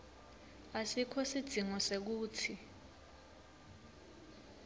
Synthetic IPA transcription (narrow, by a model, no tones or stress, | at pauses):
asikʰɔsid̥z̥ʱiŋɔsek̬uːtʰi